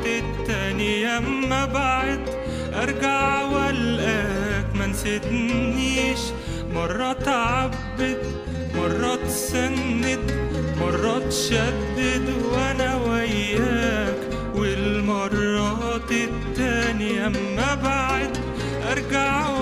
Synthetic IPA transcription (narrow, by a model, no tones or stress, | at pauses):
ɪt̪ːæːnijamːæbaʕd̪ | ʔɑɾˤɡaʕwælʔækmænsɪd̪niːʃ | mɑrˤːɑt̪ʕabːɪd̪ | mɑrˤːɑt̪ | sanːɪd̪mɑrˤːɑt̪ʃæd̪ːɪd̪wʔænæwæjːaːk | wɪlmɑrˤːɑː | t̪ɪt̪ːæːnijæmːæbaʕd̪ | ʔɑɾˤɡaʕ